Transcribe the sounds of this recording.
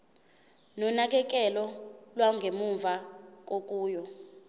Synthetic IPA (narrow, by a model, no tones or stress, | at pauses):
nɔnak̬ɛk̬ɛlɔlwaŋɡʱemuɱvak̬ʼok̬ʼuːjɔ